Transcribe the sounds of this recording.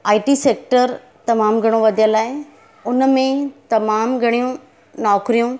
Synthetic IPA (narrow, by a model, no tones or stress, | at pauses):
aːɪʈiseːk̚ʈəɾ | t̪ɐmaːmɡʱɐɽ̃õʋɐd̪ʱijəlaːɪ | ʊnmẽt̪ɐmaːmɡʱɐɽ̃ijũ | nɔːkɾijũ